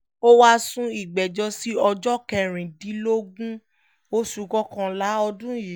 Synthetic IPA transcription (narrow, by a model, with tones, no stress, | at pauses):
o˦wa˦sũ˦i˨ɡ͡bɛ˨d͡ʒɔ˧si˦ɔ˧d͡ʒɔ˦kɛ˧˨ɾ̃ĩ˨dĩ˨˦lo˦ɡũ˦ | o˦su˧ɡɔ˦kã˧la˨˦ɔ˧dũ˦˨ji˨